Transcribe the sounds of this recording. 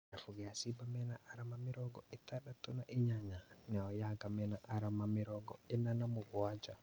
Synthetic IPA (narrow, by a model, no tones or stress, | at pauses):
nafuɡɛasibamɛnaʔaɾamamɪɾɔɡɔetaɗatonaʔiɲaɲanaɔjaɡamɛnaʔaɾamamɪɾɔɡɔɛnanamʊβɔad͡ʒa